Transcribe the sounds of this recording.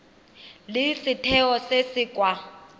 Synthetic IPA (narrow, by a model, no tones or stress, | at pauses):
lɪsɪtʰɛɔsesiːkʼwa